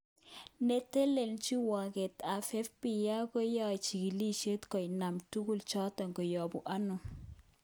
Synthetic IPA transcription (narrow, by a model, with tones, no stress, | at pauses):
ne˦te˦le˨lt͡ʃi˦wa˨kɛ˨ta˨fɛ˦fpi˨ja˦kɔ˦jɔ˦jt͡ʃi˨ɡi˨li˦ʃe˦tkɔ˨jna˨mtu˦ɡu˦lt͡ʃɔ˦tɔ˨ŋɡo˨jɔ˨bu˨ʔa˦nʊ˨